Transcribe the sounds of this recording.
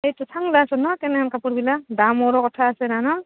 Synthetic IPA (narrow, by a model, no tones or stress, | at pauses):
ejtɔsʰaŋlasɔnɔkɛnɛankapuɾbiladamɔɾɔkɔtʰaːsɛnanɔ